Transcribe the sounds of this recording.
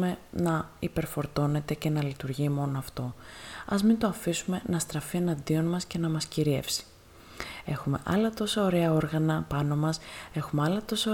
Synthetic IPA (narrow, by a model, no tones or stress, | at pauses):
me̞nɐipe̞ɾfo̞ɾt̪o̞ne̞t̪ece̞nɐlit̪uɾʝimo̞noɐft̪o̞ɐ̰zmint̪o̞ɐfisume̞nɐst̪ɾɐfie̞nɐnd̪io̞nmɐsce̞nɐmɐsciɾie̞̰fsi̥ | e̞xume̞̰ʔɐlɐt̪o̞sɐoɾe̞ɐo̞ɾɣɐnɐpɐno̞mɐse̞xumeɐlɐt̪o̞sɐ